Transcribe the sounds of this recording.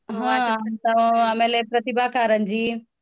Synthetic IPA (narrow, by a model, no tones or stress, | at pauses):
ɦãnt̪ɐ̃eːmeːlepɾɐt̪ibakaːɾənd͡ʑiː